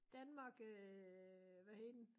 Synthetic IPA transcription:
d̥ænmɑ̈ɡ̥ | ʋæhed̥n̩

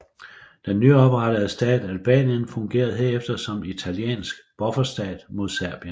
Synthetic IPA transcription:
d̥enːyɒ̽b̥ʁɑɾ̥əð̞̩ˠəsd̥ɛ̰ːd̥ælb̥ɛ̰ːnjənfɔ̽ŋɡ̥e̝̰ːɐð̞ˠɦe̝ɐ̰efd̥ɐsɒ̽mit͡sʰæljḛːnsɡ̥b̥ɒ̽fɐsd̥ɛ̰ːd̥mo̝ðˠsæɐb̥jən

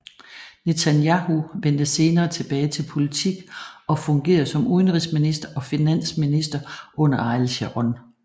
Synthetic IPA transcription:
ne̝t͡sʰænjɑhuʋen̰d̥əse̝ːnɐːt͡sʰe̝b̥ɛːɪt͡sʰe̝lpʰo̝lit͡sʰiɡ̥ɒ̽fɔ̽ŋɡ̥e̝̰ːɐðˠsɒ̽muðˠənʁisminisd̥ɐʔɒ̽finæn̰sminisd̥ɐʔɔ̽n̰ɐɑ̈ɪlɕeʁɔn

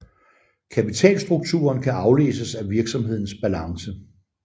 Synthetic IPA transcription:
kʰæpit͡sʰɛ̰ːlsd̥ʁuɡ̥̚t͡sʰṵːɐnkʰæʔɑ̈ʊle̝̰ːsəsæʋiɐɡ̥sɒ̽mɦe̝ð̞̰ˠn̩sb̥ælɑ̈ŋsə

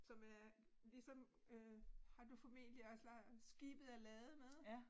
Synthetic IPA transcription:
sɒ̽mæɐ | lisɒ̽m | øhɑ̈d̥ufɒ̽me̝̰d̥liɒ̽slɑsɡ̥ḭːb̥ð̩ˠælɛːð̩ˠmeðˠ

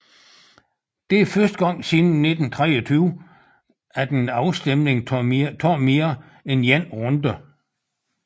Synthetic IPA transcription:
d̥e̝æfɶsd̥ɡ̥ɒ̽ŋ̰siːn̩nːe̝d̥n̩t͡sʰʁɛɒt͡sʰyːʊ | æd̥enɑ̈ʊsd̥emne̝ŋt͡sʰɒːme̝ːɐ | enjæn̰ʁɔ̽nd̥ɐ

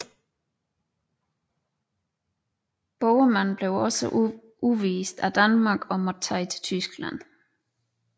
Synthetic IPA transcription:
b̥ɒʊmænb̥le̝ʊɒ̽sə | uʋiːsd̥æd̥ænmɑ̈ːɡ̥ɒ̽mɒt͡sʰɑ̈ɪt͡sʰt͡sʰysɡ̥læn̰

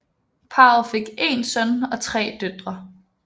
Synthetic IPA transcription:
pʰɑ̈fe̝ɡ̥e̝nsœnɒ̽t͡sʰʁɛ̰ːd̥ød̥ʁɐ

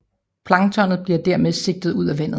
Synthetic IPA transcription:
pʰlɑ̈ŋt͡sʰɒ̽n̰ð̩ˠb̥liɐd̥æɐmeðˠse̝ɡ̥̚d̥ð̞̩ˠuð̞̰ˠæʋæn̰ðˠ

